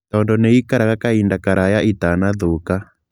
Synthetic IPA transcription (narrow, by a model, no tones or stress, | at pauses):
tɔndɔneikaɾaɣakaindakaɾajaʔitanaðoka